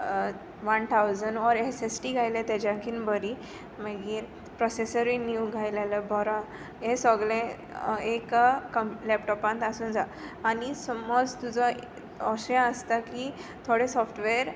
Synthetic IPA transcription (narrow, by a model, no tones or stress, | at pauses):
ʋant̪ʰawd͡zənɔɾesesʈiɡʱajlɛ̃t̪ɛd͡ʑãkʰinbəɾi | məɡiːɾ | pɾɔsesəɾinjuɡʱajlaləbʱɔɾã | ɦẽsɔɡlɛ̃ | ekkəmlɛp̚ʈɔpãnt̪asuːnd͡zaː | nisɔmɔd͡zt̪ud͡zɔ | ɔsjãəst̪akit̪ʰoɽesɔfʈʋeɾ